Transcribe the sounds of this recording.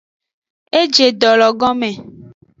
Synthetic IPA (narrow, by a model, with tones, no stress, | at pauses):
e˦d͡ʒe˨dɔ˨lɔ˨ɡɔ˦mẽ˨